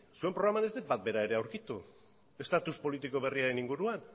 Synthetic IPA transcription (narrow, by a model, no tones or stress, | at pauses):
sue̞mpɾo̞ɣɾamane̞zd̪et̪̚bat̪̚be̞ɾae̞ɾe̞awɾkit̪u | e̞st̪at̪uspo̞lit̪iko̞β̞e̞riaɾe̞niŋɡuɾuan